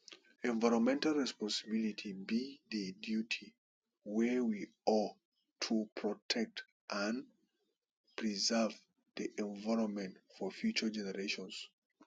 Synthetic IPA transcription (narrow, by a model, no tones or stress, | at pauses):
ɛ̃nvaɪɹɔ̃nmɛ̃ntalˠɹɛspɔ̃nsəbilitʰibiðədjutʰi | wɛwiɔ | tʰupʰɹɔtʰɛk̚t | ʔə̃n | pʰɹizɛ˞v | ðiʔɛ̃nvaɪɹɔ̃nmɛ̃ntfɔfjut͡ʃə˞d͡ʒɛnəɹeʃɔ̃ns